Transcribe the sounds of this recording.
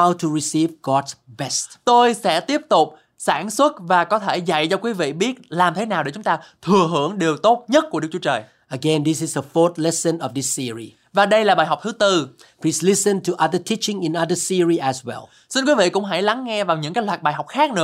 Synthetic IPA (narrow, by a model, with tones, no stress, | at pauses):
awtʰuɹisivɡɔdsbɛstt̪o˧jsɛ̰˧˥t̪i˦˥əp̚t̪ʊ˨˩k͡p̚ | saː˧˩nswə˦˥t̚vaː˨˩kɔ˨˦t̪ʰe˧˩za̰˧˨jt͡ɕɔ˧kwi˨˦vḭ˧˨ɓi˦˥ət̚laː˨˩mt̪ʰe˨˦naː˨˩wɗe˧˩t͡ɕʊ˨˦ŋ͡mt̪aː˧t̪ʰɨ˨˩əɦɨ˧˩əŋɗe˨˩əwt̪o˦˥t̚ɲə˦˥t̚ku˧˩əɗɨ˦k̚t͡ɕu˧˦t͡ɕəː˨˩j | əɡɛ̃nd̪isɪzdəfɔt̪̚lɛsə̃nɔvdisːiəɹḭ | vaː˨˩ɗə˧jlaː˨˩ɓaː˨˩jɦa˨˩k͡p̚t̪ʰɨ˨˦t̪ɨ˧ | pʰliːslisə̃ntʰuʔaðətʰit͡ʃɪ̃ŋɪ̃˨naðəsiəɹiʔɛzwɛ̰lˠ | si˧nkwi˨˦vḭ˧˨kʊ̰˧˥ŋ͡mɦa̰˧˩jla˨˦ŋːɛ˧vaː˨˩wɲɨ̰˧˥ŋkaː˨˦jlwaː˨˩t̚ɓaː˨˩jɦa˨˩wk͡p̚xaː˦˥k̚nɨ̰˧˦